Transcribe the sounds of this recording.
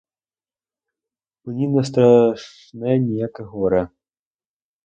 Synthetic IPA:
mʊnʲinɐs̬t̪ɾɐʂ | nɛnʲijakɛɣɔɾɛ

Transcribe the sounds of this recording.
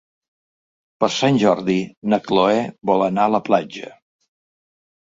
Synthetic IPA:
pəɾsanʲʒɔɾðinəkloɛβɔlˠənaələplad͡ʒə̰

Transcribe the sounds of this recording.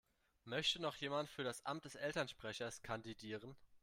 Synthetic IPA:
mœçtənɔχjeːmantfyːɐɾasʔa̰mt̚d̥ɛsʔɛltɐnʃpʁ̥ɛçɐskʰandidiːʁən

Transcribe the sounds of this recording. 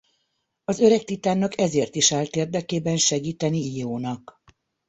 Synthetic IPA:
ɒzø̞ɾɛk̚t̪it̪aːnːɒkɛzeːrt̪iʃaːlt̪eːrd̪ɛkeːbɛnʃɛɡiːt̪ɛniioːnɒk

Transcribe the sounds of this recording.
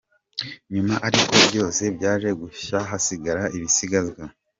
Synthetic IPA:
ɲumaʔaɾiko̞bɟo̞ːse̞bɟaːʒe̞ɡuʃaɦasiɡaɾaʔiβisiɡazɡwa

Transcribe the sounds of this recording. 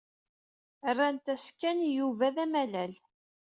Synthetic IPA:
rˤːænt̪æskænjuvæðæmælæl

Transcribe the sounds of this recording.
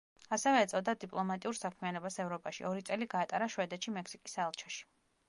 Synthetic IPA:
asɛvɛːt̪sʼɔd̪ad̪ipʼlˠɔmat̪ʼiuɾsakʰmianɔbasɛvɾɔpʼaʃḭɔɾit̪sʼɛliɡaːt̪ʼaɾaʃwɛd̪ɛt̪ʃimɛksikʼisaːlˠt͡ʃʰɔʃi̥

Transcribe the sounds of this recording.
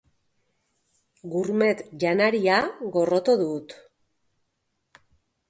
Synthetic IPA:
ɡuɾme̞t̪ʝanaɾiaɣo̞ro̞t̪oðut̪

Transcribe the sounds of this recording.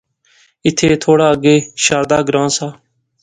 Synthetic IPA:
ɪt̪ʰːeːt̪ʰoːɽaːəɡeːʃaːɾd̪aːɡɾãːnsaː

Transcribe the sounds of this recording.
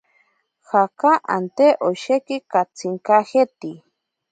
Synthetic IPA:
xakaʔa̰nt̪eʔoʃekikat͡siŋkaxet̪i

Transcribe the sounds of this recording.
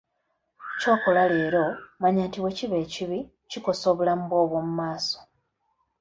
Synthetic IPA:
co̞ːkolale̞ːɾo̞maɲaːntiwe̞ciβe̞ːciβi | ciko̞soβulamboːβwomumaːso̥

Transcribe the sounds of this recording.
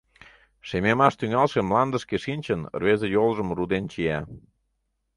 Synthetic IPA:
ʃememɑʃt̪yŋɑlʃemlɑnd̪əʃkeʃinʲt͡ɕən̰rβezejolʒəmrud̪ent͡ɕiæ

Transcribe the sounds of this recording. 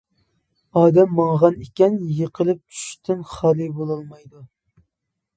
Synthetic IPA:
ɑːd̪ɛmːɑɴʁɑnekʲɛnjəqʰəlˠɨp̚t͡ʃʰy̥ʃt̪ʰɪnχɑlˠɨbolˠɑlˠmɑjd̪u

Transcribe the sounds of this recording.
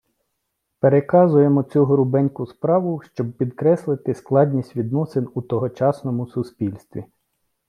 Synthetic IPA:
peɾekɑzʊjemɔt͡sʲuɦɾʊbɛnʲkʊspɾɑʋʊʃt͡ʃɔb̚pʲid̪kɾɛslˠɪt̪ɪsklˠɑdʲnʲisʲtʲʋʲid̪nɔsenut̪ɔɦɔt͡ʃɑsnɔmʊsʊspʲilʲst̪ʲʋʲḭ

